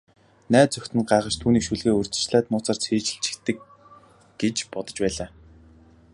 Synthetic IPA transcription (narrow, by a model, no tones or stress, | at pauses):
næːt̪̚t͡sœxʲt̪ɘ̆nɢaːʁə̆t͡ɕt̪ʰuːniːkʃuɮɣeːɵr̥ʲt͡s̪ɘ̥̆t͡ɕɮæːt̪mʊːt͡saːr̥t͡sʰeːt͡ɕɘ̆ɬt͡ɕʰɪ̥̆kt̪ːɘ̆k | ɡ̥et͡ɕpɔt̪ɞ̆t͡ɕpæːɮaː